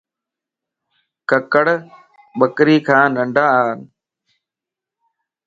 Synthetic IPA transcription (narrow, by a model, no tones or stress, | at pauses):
kəkəɽ | ɓəkɾiːkʰãːnəɳɖʱaːn